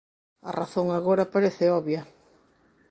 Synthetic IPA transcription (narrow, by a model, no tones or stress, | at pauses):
ɐ̰raθoŋaɣoɾɐpaɾeθɪɔβjɐ